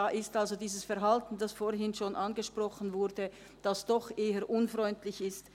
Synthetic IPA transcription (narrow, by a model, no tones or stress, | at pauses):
aːʔɪstalzodiːzəsfɛɐʁɦaltn̩d̥asfoːɐɦɪnʃoːnʔanɡəʃpʁ̥ɔχən̩vʊɐdə | d̥asd̥ɔχʔeːəʔʊnfʁɔʏntlɪçɪst